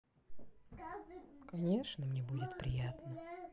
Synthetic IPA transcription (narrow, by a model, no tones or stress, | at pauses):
kɐnʲe̞ʂnəmnʲebudʲɪt̪pɾʲɪjat̪nə